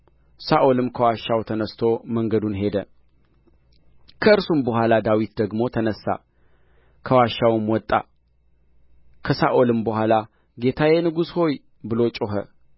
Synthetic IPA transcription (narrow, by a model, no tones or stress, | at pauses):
saʔolɨmkʰəwaʃːawt̪ʰənəst̪ʰo̞məŋɡəd̪unɦe̞d̪ə | kʰəɨɾsumbəɦʷalad̪awit̪d̪əɡmo̞t̪ʰənəsːa̰ | kʰəwaʃːawɨmwɔt̪ʼːa̰ | kʰəsaʔolɨmbəhʷala | ɡe̞t̪ʰaje̞nɨɡusho̞j | bɨlo̞t͡ʃʼoɦə̰